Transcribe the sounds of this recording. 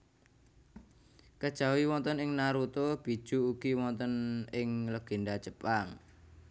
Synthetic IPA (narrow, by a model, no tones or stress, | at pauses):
kəd̥ʒ̥a̤wiwɔnt̪ənɪŋnaɾut̪ob̥i̤̥ʒ̥ṳuɡ̥iwɔnt̪ənɪŋləɡ̥e̤ndad͡ʒəpaŋ